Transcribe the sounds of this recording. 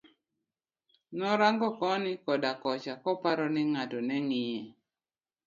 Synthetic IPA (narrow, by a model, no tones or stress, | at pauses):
nɔɾaŋɡɔkɔnɪkɔdakɔt͡ʃakɔpaɾɔnɪŋadɔnɛŋɪjɛ